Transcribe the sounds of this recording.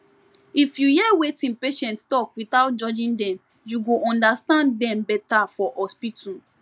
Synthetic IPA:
ifjujɛwetĩnpeʃɛ̃nttɔkwitawt̚d͡ʒɔd͡ʒĩndɛ̃m | juɡoʔɔ̃ndastãnddɛ̃mbɛtafɔʔɔspitũ

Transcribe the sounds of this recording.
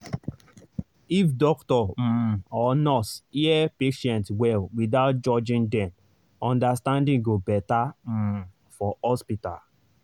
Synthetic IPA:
ifdɔktɔm̩ɔnɔsiɛpeʃɛ̃ntwɛlwiðaʊt̚d͡ʒɔd͡ʒĩndɛ̃m | ɔ̃ndastãndĩŋɡobɛtam̩ | fɔɔspita̰l

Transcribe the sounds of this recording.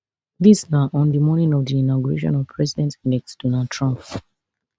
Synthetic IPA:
ðisnaʔɔ̃nðimɔnĩŋɔvðiinaɡuɹḛʃɔ̰̃nɔvpʰɹɛzidɛ̃ntndɛksd̥ɔnalˠd̚tʰɹɔ̃mp

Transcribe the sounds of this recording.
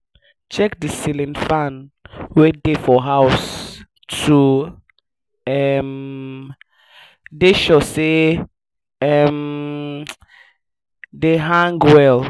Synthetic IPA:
t͡ʃɛkdisilĩnfãnwedefɔɦaʊs | tʰu | ɛm | deʃɔse | ɛm | deɦãŋɡwɛl

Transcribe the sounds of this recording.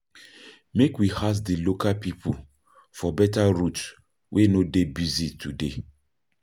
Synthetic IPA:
mekwihas̬dilokalpipul | fɔbɛtaɹuts | wʔenodebizitʰude

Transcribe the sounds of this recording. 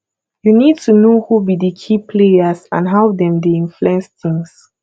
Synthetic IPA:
junid̚tʰunohubidəkʰipʰleəsã̰nɦaʊdɛ̃mdeĩnfluɛ̃nst̪ɪ̃ŋs

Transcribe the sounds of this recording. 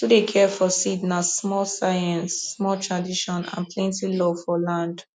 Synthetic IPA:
tudekʰɛfɔsidnasmɔlsaɛ̃nsːmɔltʰɹadiʃɔ̃nã̰npʰlɛ̃ntilɔfɔlãnd

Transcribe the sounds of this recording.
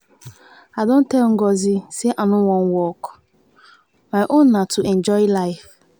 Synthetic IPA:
adon̩tɛlŋ̩ɡɔziseʔanʊwɔ̃nwɔk | maʔõnːatuʔɛ̃nd͡ʒɔɪlaɪf

